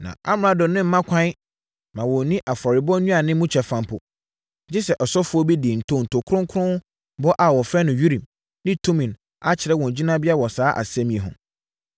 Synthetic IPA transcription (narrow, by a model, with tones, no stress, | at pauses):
nã̰˨ʔa̰˦m˨a˨dɔ̃˨nɪ̃˦m̩˦mã˦kʰʷã˦ | mã˨wɔ˨˦nĩ˦ʔa˨fɔ˨ɾɪ˨bɔ˦nũ˦a˨nɪ̃˦mũ˦t͡ɕʰᶣɛ˨fã˨m˦pʰʊ˨ | d͡ʑɪ˦sɛ˨ʔɔ˨sɔ˦fʊ˦ɔ˦bi˦dɪ˨n̩˨tʰõ˦˨n̩˨tʰo˨kʰʊ˦ɾʊ̃˦ŋkʰʊ˦ɾʊ̃˦ | bɔ˦ʔa˨wɔ˨fɾɛ˦nʊ̃˨ɥi˦ɾĩ˨m | nɪ̃˦tʰũ˦mĩ˨n | a˦t͡ɕʰɪ˨ɾɛ˦wɔ̃˨n˨d͡ʑi˦nã˦bɪ˦a˦wɔ˨saː˨˦ʔa̰˨sɛ̃˦mĩ˨e˨ɦʊ̰̃˨